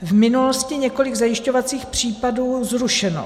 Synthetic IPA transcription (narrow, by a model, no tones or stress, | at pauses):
vmɪnulo̞scɪɲɛko̞lɪɡzajɪʃco̞vat͡siːxpr̝̥iːpaduːzɾuʃɛno̰